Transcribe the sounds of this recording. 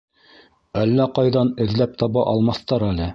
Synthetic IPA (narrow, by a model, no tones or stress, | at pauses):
ælːæqɑjðɑnɘ̆ðlæp̚t̪ɑβɑʔɑlˠmɑθt̪ɑɾælɘ